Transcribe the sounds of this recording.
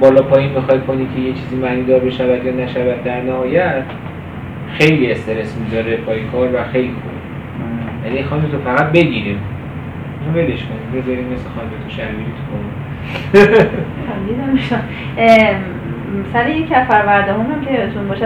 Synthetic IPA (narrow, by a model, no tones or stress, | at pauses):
bɒːlɒːpʰɒːjinbexɒjkʰo̞nikʰe̞jet͡ʃʰiːziːmæniːd̪ɒːɾbe̞ʃævæd̪jɒːnæʃævæd̪̚ːæɾnæɦɒːjæt̪ | xejlie̞st̪e̞ɾesmizɒːɾepʰɒːjekʰɒːɾvæxejlixobi | jænixɒnmet̪ʰofæɣæd̪̚be̞ɟiɾim | nbeleʃkonimbezɒɾimmːesexɒːnmet̪ʰoʃæɾviɾet̪ʰu̥kʰoni | xæmd̪id̪æmmeʃam | sæɾejecʰʲæzpæɾvæɾd̪ɒɦumæmkʰet̪ʰunbɒːʃæ